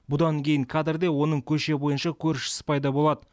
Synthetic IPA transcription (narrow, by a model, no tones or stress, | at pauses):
bʊd̪ɑŋkʲʰe̞jɪŋkʰɑd̪ɪɾd̪e̞wo̞nəɴkʲʰɵʃe̞bo̞jənʃɑkʲʰɵɾʃɪ̥sɪ̥pʰɑjd̪ɑbo̞lˠɑd̪ə